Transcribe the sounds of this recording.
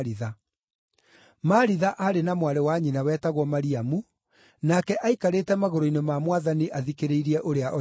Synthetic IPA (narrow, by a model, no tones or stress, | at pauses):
ɾiða | maɾiðaʔaɾenamwaɾɛwaɲinawɛːtaɣwɔmaɾiamu | nakɛʔaikaɾetɛmaɣoɾoinemamwaðaniʔaðikeɾeiɾiɛʔoɾeaʔɔ